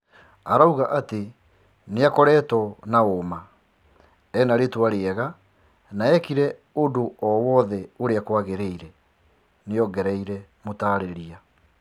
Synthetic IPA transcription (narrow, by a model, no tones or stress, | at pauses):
aɾauɣaʔate | neakɔɾɛtɔnaoma | ɛnaɾetwaɾeɛɣa | naɛkiɾɛodoɔwɔðɛoɾeakwaɣeɾeiɾɛ | neɔɡɛɾɛiɾɛmotaːɾeɾia